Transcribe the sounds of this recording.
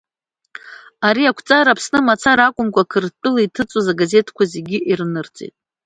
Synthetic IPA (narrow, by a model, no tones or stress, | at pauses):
aɾiakʷʰt͡sʼaɾapʰsnɨmat͡sʰaɾakʷʼʊmkʷʰakʰɨrt͡pʼɨlaitʰɨt͡sʼozaɡaze̞tʰkʷʰaze̞ɡʲiʔirnɨrt͡sʼḛtʼ